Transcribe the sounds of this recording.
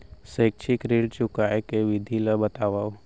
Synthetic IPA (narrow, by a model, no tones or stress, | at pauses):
seːk̚t͡ʃʰikɾeːɖt͡ʃʊkaekeʋɪd̪ʱilabət̪aːʋa